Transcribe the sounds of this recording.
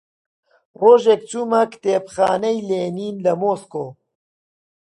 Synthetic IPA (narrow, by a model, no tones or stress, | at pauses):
roːʒek̚t͡ʃumɐkt̪eːpxaːnɐjleːniːnlɐmoːskoː